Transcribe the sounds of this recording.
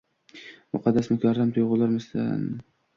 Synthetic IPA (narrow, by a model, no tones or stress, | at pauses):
mʊqʰɑd̪ːasmʊkʲʰaɾamt̪ʰʊjʁʊlˠaɾmɪsd̪a̰n